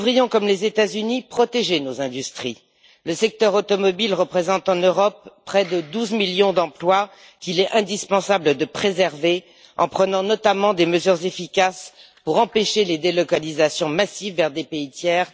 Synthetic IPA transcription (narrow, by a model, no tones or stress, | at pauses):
vʁijɔ̃kɔmlezet̪azynipχɔt̪eʒenozɛ̃d̪yst̪χi | ləsɛk̚t̪œʁot̪ɔmɔbilʁəpχezɑ̃t̪ɑ̃nøʁɔpːχɛd̪əd̪uzmiljɔ̃d̪ɑ̃plwa | kʲilɛʔɛ̃d̪ispɑ̃sabləd̪əpχezɛʁve | ɑ̰̃pχənɑ̃nɔt̪amɑ̃d̪eməzyʁzefikʲas | puʁɑ̃peʃeled̪elɔkalizasjɔ̃masivːɛʁd̪epeit̪jɛːʁ